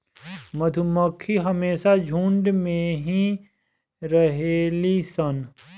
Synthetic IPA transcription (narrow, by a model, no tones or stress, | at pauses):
mɐd̪ʱuməkʰːiɦɐmeːʃad͡ʒʱũːɳɖmẽɦĩ | ɾɐɦeːlisɐn